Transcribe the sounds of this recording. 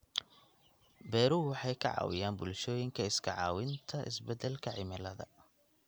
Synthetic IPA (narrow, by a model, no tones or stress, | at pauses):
bɛːɾuːwɑħɑjkʰɐʕɑ̰ːwɪ̰jaːnbʊlʃɔːjɪŋkʰɐɪskʰɐʕɑːwɪnt̪ʰɐʔɪ̰sbɛd̪ɛlkʰɐʕɪmɪlɐðɐ̰